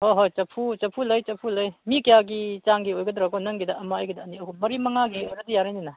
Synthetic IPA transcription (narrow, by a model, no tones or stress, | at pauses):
hoɦojt͡ʃɐpʰut͡ʃɐpʰulɐjt͡ʃɐpʰulɐjmikɐjaɡit͡ʃaŋɡiojɡɐdɾakɔnɐŋɡidɐɐmaɐjɡidɐːniɐkumɐɾimɐŋaɡiojɾɐdijaɾajninɐ